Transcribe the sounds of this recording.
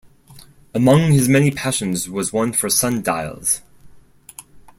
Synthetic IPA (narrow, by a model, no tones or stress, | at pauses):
əmʌ̃ŋɨzmɛnipʰæʃɨ̃nzwʌzwʌ̃nfə˞sʌ̃nda̰ɪlˠz̥